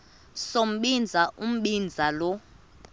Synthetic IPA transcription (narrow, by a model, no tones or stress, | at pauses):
som̩ɓind͡zʱaʔum̩ɓind͡zʱalɔ